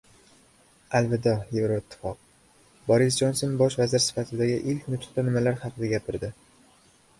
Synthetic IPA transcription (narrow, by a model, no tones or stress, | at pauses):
alvɪd̪ɒjevɾoɪt̪ʰːɪ̥fɒq̚ | bɒɾɪs̬d͡ʒonsonbɒʃvazɪɾsɪ̥fat̪ʰɪd̪aɡʲɪʔɪlkʲnʊt̪ʰʊ̥qt̪anɪmalaɾχɑqʰɨd̪aɡʲapʰɪɾd̪ɪ